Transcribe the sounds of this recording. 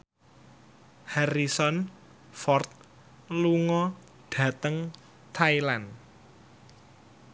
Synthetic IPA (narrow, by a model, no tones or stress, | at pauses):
haɾisɔn | fɔrt̪̚ | luŋɔ | ɖ̥ä̤t̪əŋ | t̪ʰailan